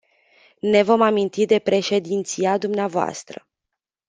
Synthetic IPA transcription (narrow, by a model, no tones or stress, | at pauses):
ne̞vo̞mamint̪id̪e̞pɾe̞ʃe̞d̪int̪siad̪umneavoa̰st̪ɾə̰